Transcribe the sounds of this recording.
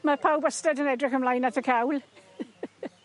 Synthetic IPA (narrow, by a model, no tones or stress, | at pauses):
məpʰawbəstɛdənɛdrɪkəmlajnatʰəkʰawlˠ